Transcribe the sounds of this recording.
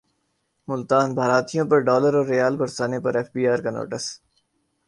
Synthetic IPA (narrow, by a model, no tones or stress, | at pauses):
mʊlt̪aːnbʱaːɾaːt̪ijõpɐɾɖɔːləɾɔːɾːejaːlbɐɾsaːnepɐɾɛːfbiːaːɾkano̰ːʈəs